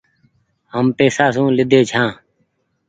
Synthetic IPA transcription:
ɦəmpeːsaːs̬ũːlɪd̪ʱeːt͡ʃʰãː

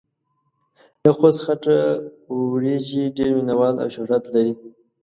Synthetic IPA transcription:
d̪əxosxaʈa | ɾeʒiɖeɾminawɑla̰wʃʊhɾat̪laɾi

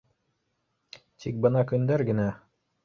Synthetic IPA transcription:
t̪ʰik̚bɤnɑkɵ̆nd̪æɾɡɘ̆næ

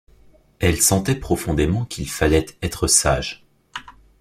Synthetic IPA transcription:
ɛlsɑ̃t̪ɛpχɔfɔ̃d̪emɑ̃kʲʰilfalɛt̪ɛt̪χəsa̰ʒ

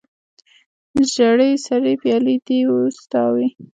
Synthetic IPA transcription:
əʒaɽəjsaɾipjɑlid̪iust̪ɑwi

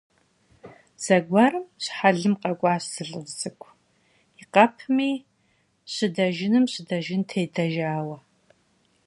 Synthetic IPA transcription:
z̥ɐɡʷɐrɨmɕħaɮɨmqʼɐkʷʼɑːɕsɨɮʼɨzɨkʷʰ | iqɐpʰmiː | ɕɪdɐʒɪnɨmɕɪdɐʒɪntʰeːdʰɐʒaːwɐ

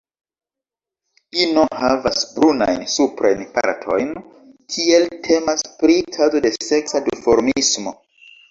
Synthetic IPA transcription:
linohavasbɾuna̰jnsupɾajnpa̰ɾtʰo̞̰jn | kʰie̞ltʰe̞maspɾitʰazo̞de̞se̞ksadifo̞ɾmismo̞

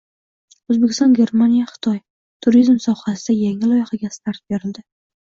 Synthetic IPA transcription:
ozbekʲʰɪst̪ɒnɡʲe̞ɾmanijaχɨ̥t̪ʰɒj | t̪ʰʊɾizmsɒhasɪd̪ajaŋɪlˠɒjɪhaɡʲast̪ʰaɾt̪̚b̥eɾɪld̪ɪ

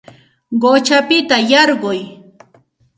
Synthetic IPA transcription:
ɢot͡ʃapɪt̪ajɑɾɢʊj

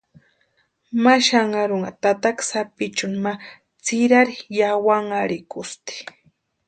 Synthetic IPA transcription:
maʃaŋaɾʊŋat̪at̪aksapɪt͡ʃʊnma | t͡sɪɾaɾɪjawaŋaɾɪkʊst̪i̥

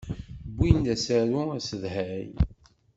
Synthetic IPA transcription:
bːind̪æsæɾuæsəðhæj̰

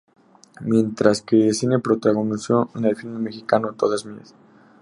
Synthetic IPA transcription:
mje̞nt̪ɾaskesinepɾo̞t̪aɣonisoenelfilmemexikanot̪o̰ðazmia̰s

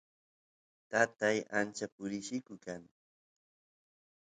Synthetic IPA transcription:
t̪at̪aja̰nt͡ʃapʊɾɪʃɪkʊkaŋ

